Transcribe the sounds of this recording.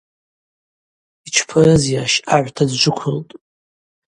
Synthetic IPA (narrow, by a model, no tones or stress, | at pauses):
it͡ʃʷʰpʰɨrɨzjaʃaʕʷtʰadʒʷʊkʷʰʊltʼ